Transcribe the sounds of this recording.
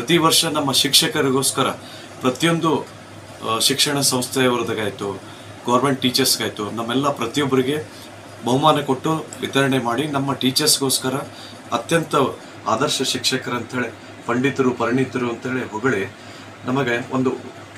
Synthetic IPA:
pɾɐt̪iʋɐɾʂɐnɐmːɐʃikʂɐkɐɾiɡo̞ːskɐɾɐ | pɾɐt̪ijo̞nd̪u | ʃikʂɐɳɐsɐ̃m̃st̪ʰjɐjɐʋɐɾɐd̪ɐɡaːjit̪u | ɡɐʋɐɾmeɳʈ̚ʈːiːt͡ʃɐɾsɡaːjt̪unɐmːɛlːɐpɾɐt̪ijobːɐɾiɡe̞ | bɐɦumaːnɐko̞ʈːuʋit̪ɐɾɐɳemaːɽinɐmːɐʈiːt͡ʃɐɾsɡo̞ːskɐɾɐ | ɐt̪jɐnt̪ɐ | aːd̪ɐɾʃɐʃikʂɐkɐɾɐnt̪ɐɦe̞ːɭe | pɐɳɖit̪ɐɾupɐɾiɳit̪ɐɾuɐnt̪ɐɦe̞ɭeɦɔɡɐɭe | nɐmɐɡeond̪u

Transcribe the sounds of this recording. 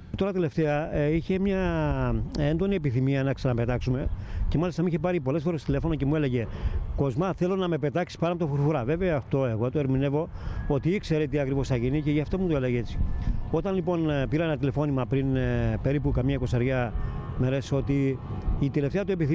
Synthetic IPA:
t̪o̞ɾɐt̪ele̞ft̪e̞ɐiçe̞mɲɐ | e̞nd̪o̞niepiθimiɐnɐksɐnɐpe̞t̪ɐksume̞ce̞mɐlist̪ɐmiçe̞pɐɾipo̞le̞sfo̞ɾest̪ile̞fo̞nocemue̞leʝe̞ko̞zmɐθe̞lo̞nɐme̞pe̞t̪ɐksi̥spɐnɐpot̪ofuɾfuɾɐve̞veɐːft̪o̞e̞ɣot̪oeɾmine̞vo̞ | o̞t̪iikse̞ɾet̪̬iɐkɾivo̞sθɐʝiniceʝɐft̪omut̪oeleɣeet͡si̥o̞t̪ɐnlipo̞npiɾɐenɐt̪ile̞fo̞nimɐpɾinpe̞ɾipukɐmɲɐko̞sɐɾʝɐ | meɾeso̞t̪iː | t̪eleft̪eɐt̪ue̞piθi

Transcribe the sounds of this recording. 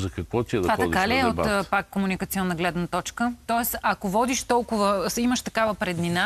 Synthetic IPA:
zɐkɐkvɔt̪ʲiɛd̪ɐpad̪kaliɛot̪ːpakːomunikət̪siɔnːəɡlɛd̪nət̪ɔt͡ʃkət̪ɔɛsɐkovɔd̪iʃt̪ɔlˠkʊvəiməʃt̪ɐkavəpɾɛd̪nina

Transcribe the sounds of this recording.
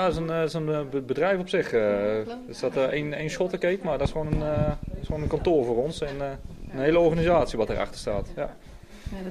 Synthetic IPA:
jadsənɪsənbəbədrɛjfɔpsɪχəɪsdɔtəejnejnsɔtəkejtmaːɹdtɪsχəʋownənɪsownənkɑntoːɹvʊːrɔnsɛnənɦejləɔɹχanizaːtsiʋɑtə̰rʔɑ̰χtə̥ɹstaːtja

